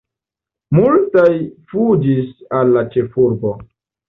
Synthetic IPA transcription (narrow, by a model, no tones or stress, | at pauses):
multajfud͡ʒisalːat͡ʃe̞fuɾbo̞